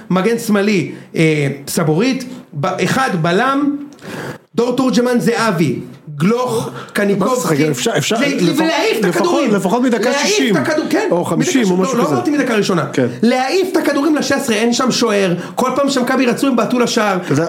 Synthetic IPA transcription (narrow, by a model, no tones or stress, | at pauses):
maɡensmaliesaboʁit̪baʔeχad̪balam | d̪o̞ʁt̪oʁd͡ʒemanzeaviɡloχkanikofaefavleaift̪lekad̪uimlefaχotmid̪akaaʃiiʃimt̪akadukenoχamʃʃimomauloat̪imid̪akaʁiʃo̞nakenleaift̪akad̪uʁimlaʃesʁeenʃamʃo̞e̞ʁ | ko̞lpaːmʃamakabiʁat͡suimbeːtulaʃaʁ